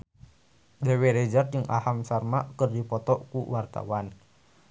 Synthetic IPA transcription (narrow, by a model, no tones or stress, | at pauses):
deweɾɛd͡ʒar̚d͡ʒɨŋʔa̰hamsarmaʔkərdipɔt̪ɔʔkṵwart̪a̰wan